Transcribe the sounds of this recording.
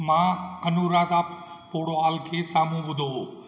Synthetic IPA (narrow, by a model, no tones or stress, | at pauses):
mãkənuːɾaːt̪aːp | poːɽoaːlkʰeːsaːmũbʊd̪ʱoɦoː